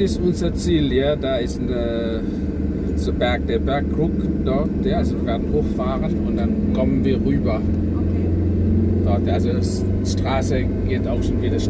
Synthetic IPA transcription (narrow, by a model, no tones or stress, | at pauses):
ɪstʔʊnzɐt͡siːljadaːɪsnə | sobɛɐk̚d̥eːɐbɛɐkʁʊkd̥ɔtjaʔalzoviːvɛːɐdn̩hoːxfaːʁənʊnd̥ankʰɔmənviːɐʁyːbɐ | d̥ɔtʔalzo | s | ʃtʁ̥aːsə | ɡ̥eːtaʊxʃonviːdɐʃ